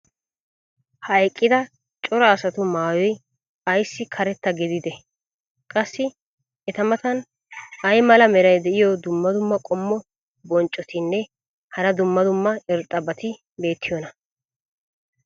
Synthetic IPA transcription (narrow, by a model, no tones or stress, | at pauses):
hɐjkʼːɪd̪ɐ | t͡ʃʼɔɾɐːsɐt̪ʊmaːjɔj | ɐjsːɪkʰɐɾɛt̪ːɐɡɪd̪ɪd̪ɛ | kʼɐsːɪ | ɛt̪ɐmɐt̪ɐn | ɐjmɐlɐmɛɾɐjd̪ɛʔɪjɔd̪ʊmːɐd̪ʊmːɐkʼɔmːɔ | bɔnt͡ʃʼːɔt̪ʰɪnːɛ | hɐɾɐd̪ʊmːɐd̪ʊmːɐɛɾt̪ʼːɐbɐt̪ɪ | be̞ːt̪ːɪjɔnɐ